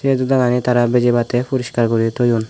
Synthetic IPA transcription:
ed̪ud̪aɡanit̪aɾabed͡ʒebat̪epuɾiʃkaɾkɔɾit̪ojun

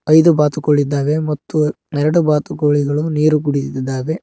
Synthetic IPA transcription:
ɐjd̪ubaːt̪ukoɭːid̪ːaːʋe̞mɐt̪ːu | ɛɾɐɽubaːt̪ukoɭiɡɐɭuniːɾuɡuɽit̪d̪ːaːʋe̞

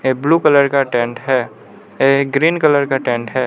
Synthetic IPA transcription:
ebluːkələɾkaʈẽːɳʈɦɛː | eɡɾiːnkələɾkaʈẽːɳʈɦɛː

